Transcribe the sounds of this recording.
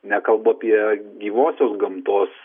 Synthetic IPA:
nʲɛkɐlˠbuɐpʲiɛɡʲiːʋoːsʲoːsɡɐmt̪oːs

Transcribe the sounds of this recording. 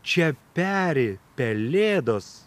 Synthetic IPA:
t͡ʃʲɛpʲæːɾʲepʲɛlʲeːd̪oːs

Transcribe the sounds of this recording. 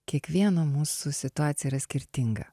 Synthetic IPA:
kʲiɛkʋʲiɛnɐmuːsʊsʲɪt̪ʊaːt̪sʲjɛiːɾɐsʲkʲɪɾʲt̪ʲɪŋɡɐ̰

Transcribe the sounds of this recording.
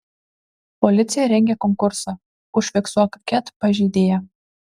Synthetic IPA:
pɔlʲɪt̪sʲɪjɛɾʲɛŋʲɡʲɛkɔŋkʊɾsɐ | ʊʃʲfʲɛksuɔkɐkʲɛt̪pɐʒʲiːd̪ʲeːjɛ

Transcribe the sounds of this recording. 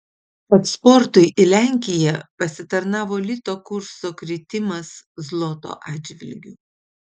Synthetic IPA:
kɐt̪spɔɾt̪ʊɪʔɪlʲæˑŋʲkʲɪjɛpɐsʲɪt̪ɐɾnɑːʋoːlʲɪt̪oːkʊɾsoːkɾʲɪt̪ʲɪmɐszlˠoːt̪o̰ːʔɑːd͡ʒʲʋʲɪ̰lʲɡʲʊ

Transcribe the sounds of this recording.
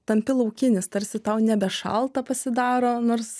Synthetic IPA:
t̪ɐmʲpʲɪlˠɐʊkʲɪnʲɪst̪ɐɾʲsʲɪt̪ɐʊnʲɛbʲɛʃɐ̰lˠt̪ɐpɐsʲɪd̪ɑːɾoːnoːɾs

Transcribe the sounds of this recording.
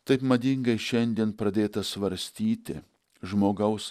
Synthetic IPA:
t̪ɐɪpmɐd̪ʲɪŋɡɐɪʃʲɛnʲd̪ʲiɛnpɾɐd̪ʲeːt̪ɐsʋɐɾʲsʲt̪ʲiːt̪ʲɪ̰ | ʒmoːɡɐʊs

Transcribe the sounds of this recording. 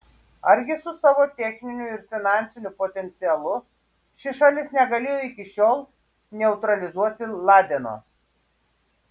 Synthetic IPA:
ɐɾʲɡʲɪsʊsɑːʋoːt̪ʲɛxʲnʲɪnʲʊɪɾfʲɪnɑˑnʲt̪sʲɪnʲʊpoːt̪ʲɛnʲt̪sʲɪɛlˠʊ | ʃʲɪʃɑlʲɪsnʲɛɡɐlʲeːjoːɪkʲɪʃʲoːlˠ | nʲɛʊt̪ɾɐlʲɪzuɔt̪ʲɪlˠɑːd̪ʲɛno̰ː

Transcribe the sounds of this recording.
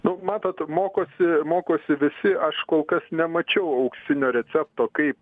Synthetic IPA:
nʊmɑːt̪oːt̪moːkoːsʲɪmoːkoːsʲɪʋʲɪsʲɪʔɐʃkoːlˠkɐsnʲɛmɐt͡ʃʲɛʊɐʊksʲɪnʲoːɾʲɛt͡s̪ʲæːp̚t̪oːkɐɪp̚

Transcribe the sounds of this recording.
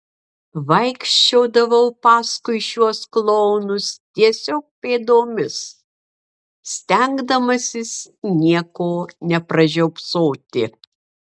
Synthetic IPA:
ʋɐɪkʃʲt͡ʃʲoːd̪ɐʋɐʊpɑːskʊɪʃʲuɔsklˠɔʊnʊst̪ʲiɛsʲoːk̚pʲeːd̪oːmʲɪs | sʲt̪ʲɛŋɡd̪ɐmɐsʲɪsnʲiɛkoːnʲɛpɾɐʒʲɛʊpsoːt̪ʲɪ

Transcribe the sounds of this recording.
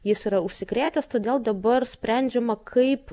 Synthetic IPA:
jɪsiːɾɐʊʃʲsʲɪkɾʲeːt̪ʲɛst̪oːd̪ʲeːlˠd̪ɐbɐɾsʲpʲɾʲæˑnʲd͡ʒʲɛmɐkʰɐɪp

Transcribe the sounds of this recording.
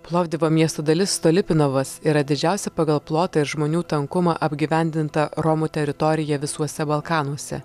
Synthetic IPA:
plˠɔːʋd̪ʲɪʋoːmʲiɛst̪oːd̪ɐlʲɪsːt̪oːlʲɪpʲɪnoʋɐsiɾɐd̪ʲɪd͡ʒʲæˑʊsʲɛpɐɡɐlˠplˠoːt̪ɑɪɾʒmoːnʲuːt̪ɐŋkʊmɐ̰ʔɐbʲɡʲɪʋʲɛˑnʲd̪ʲɪnt̪ɐɾɔmut̪ʲɛɾʲɪt̪ɔɾʲɪjɛʋʲɪsuɔsʲɛbɐlˠkɑːnuɔsʲɛ̰

